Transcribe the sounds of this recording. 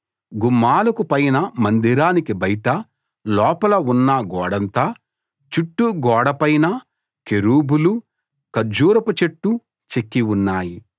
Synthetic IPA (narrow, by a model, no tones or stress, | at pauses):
ɡumːaːlukupɐjnɐmɐnd̪iɾaːnikibɐjʈɐ | lɔːpɐlɐunːɐɡɔːɽɐnt̪aː | t͡ʃuʈːuɡɔːɽɐpɐjnɐ | keɾuːbulu | kɐd͡ʒuːɾɐput͡ʃeʈːu | t͡ʃekːiunːaːji